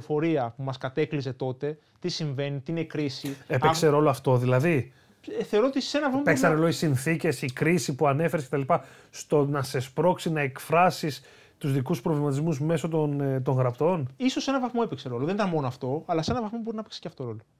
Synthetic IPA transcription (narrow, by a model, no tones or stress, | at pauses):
fo̞ɾiɐpumɐskɐt̪e̞klize̞t̪o̞t̪e̞ | t̪isiɱve̞nit̪iinekɾisiepekseɾo̞loɐft̪o̞ðilɐði | θe̞o̞ɾo̞ot̪ise̞nɐvɐθopeksɐneloisinθice̞sikɾisipuɐne̞feɾeskcet̪ɐlipɐ | st̪o̞nɐse̞spɾo̞ksinɐekfɾɐsis | t̪uzðikuspɾovlimɐt̪izmuzme̞so̞t̪ont̪oŋɣɾɐpt̪o̞niso̞se̞nɐvɐθmo̞epekse̞ɾo̞loðenit̪ɐnmo̞noɐft̪o̞ɐlɐse̞nɐvɐθmobo̞ɾinɐpekse̥ceɐft̪o̞ɾo̞lo